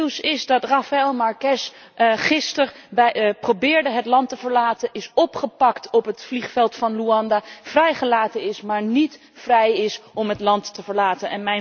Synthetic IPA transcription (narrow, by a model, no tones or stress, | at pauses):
wsɪzdɑtrɑfaɛlˠmɑɹkɛs | χɪstərbɛprobɪːɹdəɦətlɑntəvəɹlaːtənʔɪsɔpχəpɑktɔpɦətfliχfɛlˠtfɑnluɑndaːv̥rɛjχəlaːtənɪsmaːɹnit | frɛjɪsɔmɦətlɑntːəvəɹlaːtənɛnmɛj